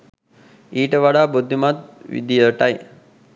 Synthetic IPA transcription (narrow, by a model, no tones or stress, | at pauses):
iːʈəʋaɽaːbud̪ʱːimat̪̚ʋḭd̪ijəʈaj